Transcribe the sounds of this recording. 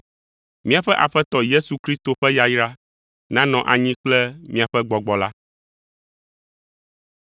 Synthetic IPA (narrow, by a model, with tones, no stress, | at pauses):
mĩ˦a˨ɸɛ˦ʔa˨ɸɛ˦t̪ɔ˨je˦su˨kɾi˦st̪o˨ɸɛ˦ja˨ji˦ɾa˦ | nã˦nɔ̃˨ʔa˨ɲĩ˦k͡plɛ˦mĩ˦a˨ɸɛ˦ɡ͡bɔ˨ɡ͡bɔ˨la˦